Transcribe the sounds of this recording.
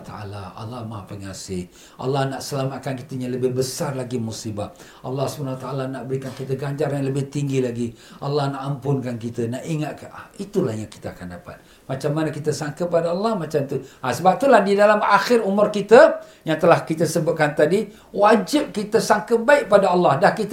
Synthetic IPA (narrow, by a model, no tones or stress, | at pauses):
t̪aa̰la̰ɑ̰lːɑhmapəŋasɪh | ʔɑ̰lːɑhnaʔsəlamat̪̚kankit̪əjaləbɪhbəsarlaɡimusibat̪̚ | ʔɑ̰lːɑhsubanawat̪aʔalanaʔbəɾikankit̪əɡaɲd͡ʒarjaŋləbɪht̪iŋɡilaɡi | ʔɑlːɑhnaʔampʊnkank̬it̪ənaʔiŋat̪̚kait̪ulahjaŋki̥t̪əakandapa̰t̪̚ | mat͡ʃamːanəkit̪əsaŋkəp̬adaɑlːɑhmat͡ʃamt̪uʔasəbap̚t̪ulahdidalamaxɪrumʊrkit̪ə | jaŋt̪əlahkit̪əsəbʊt̪̚kant̪adi | wad͡ʒɪp̚kit̪əsaŋkəbaɪk̚padaɑlːɑhdahkit̪